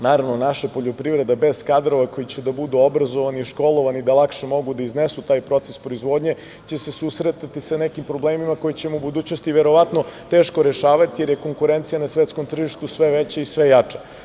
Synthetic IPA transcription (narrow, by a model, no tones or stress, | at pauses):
naːɾaʋnonaʃepo̞ʎo̞pɾivɾe̞d̪abez̥kad̪ɾo̞ʋako̞jit͡ɕed̪abud̪uobɾazoʋaniiʃko̞lˠo̞ʋanid̪alˠakʃemo̞ɡud̪aiznesut̪aːjpɾo̞t̪sespɾo̞izʋo̞ːd̪ɲe̞ | t͡ɕesesusɾet̪at̪isanekimpɾo̞bleːmimako̞jit͡ɕemoubud̪uːt͡ɕno̞st̪iʋeɾo̞ʋat̪no̞t̪e̞ːʃkoɾeʃaːʋat̪ijeɾjeko̞ŋkuɾent̪sijanasʋet̪sko̞mt̪r̩ʒiʃt̪usʋeʋet͡ɕeisʋejat͡ʂḁ